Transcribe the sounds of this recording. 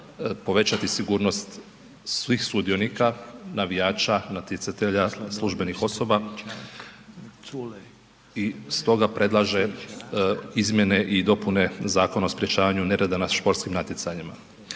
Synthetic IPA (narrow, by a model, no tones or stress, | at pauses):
po̞ʋe̞t͡ʃat̪isiɡuːɾno̞st̪ | sʋixsud̪ijo̞nikanaʋijaːt͡ʃanat̪jet̪sat̪eʎaslˠuʒbe̞nixo̞so̞ba | ist̪o̞ɡapɾe̞d̪laʒe̞ | izmje̞ne̞ʔid̪o̞pune̞zaːko̞naospɾje̞t͡ʃaːʋaɲune̞ɾed̪anaʃpo̞ɾt̪skimnat̪jet̪saɲima